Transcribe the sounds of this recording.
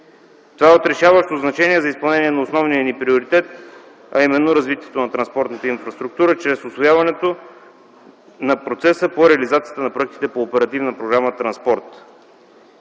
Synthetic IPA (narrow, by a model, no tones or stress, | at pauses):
t̪ovaɛot̪ɾɛʃavəʃt̪oznɐt͡ʃɛniɛzɐispɐlˠnɛniɛnɐosnɔvnijənipɾioɾit̪ɛt̪ | ɐ̰imɛnːoɾɐzvit̪ʲiɛt̪onɐt̪ɾɐnspɔɾt̪nət̪əinfɾɐst̪ɾuk̚t̪uɾət͡ʃɾɛsʊsvojavɐnɛt̪o | nɐpɾot̪sɛsəpoɾɛɐlizat̪sijət̪ənɐpɾoɛk̚t̪i̥t̪ɛpoːpɛɾɐt̪ivnəpɾoɡɾamət̪ɾɐnspɔɾt̪